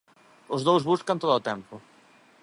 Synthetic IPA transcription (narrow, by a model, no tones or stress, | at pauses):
ʊzðowzβuskɐnt̪oðʊːt̪ɛmpʊ